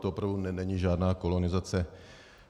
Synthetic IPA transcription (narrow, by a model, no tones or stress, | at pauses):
t̪oopɾavdunɛnɛɲiʒaːdnaːko̞lo̞nɪzat͡sɛ